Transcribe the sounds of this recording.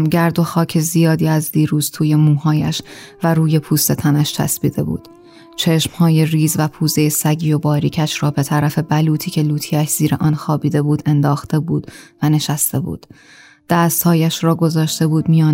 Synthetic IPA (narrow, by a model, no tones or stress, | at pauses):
mɟæɾd̪o̞xɒːcʰe̞zijɒːd̪iːæzd̪iːɾuːz̥t̪ʰuːje̞muːɦɒːjæ̰ʃvæɾuːje̞pʰuːst̪e̞t̪ʰænæʃt̪ʰæ̰sbḭːd̪e̞̰bṵːd̪̥ | t͡ʃʰe̞ʃmhɒːje̞riːzvæpʰuːze̞jesæɟiːo̞bɒːɾiːcʰæʃɾɒːbe̞t̪ʰæɾæfe̞bæluːt̪ʰiːcʰe̞luːt̪ʰiːæʃz̥iːɾeʔɒnxɒːbiːd̪e̞buːd̪e̞nd̪ɒːxt̪e̞buːd̪̥væne̞ʃæst̪ʰe̞bṵːd̪̥ | d̪̥æːst̪hɒːjæʃrɒːɡo̞zɒːʃt̪e̞buːd̪mijɒːn